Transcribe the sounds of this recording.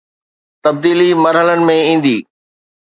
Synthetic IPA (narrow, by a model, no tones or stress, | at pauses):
t̪ɐb̚d̪iːlimɐɾɦələnɪ̆mẽĩːn̆d̪iː